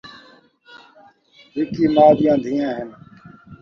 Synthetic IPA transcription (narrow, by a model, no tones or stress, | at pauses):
ɦɪkiːmaːdɪjãːd̪ʱiːjãːɦɪn